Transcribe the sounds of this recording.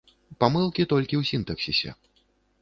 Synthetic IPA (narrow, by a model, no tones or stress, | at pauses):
pamɨlˠkʲit̪ɔlʲkʲiwsʲint̪ɐksʲisʲɛ̰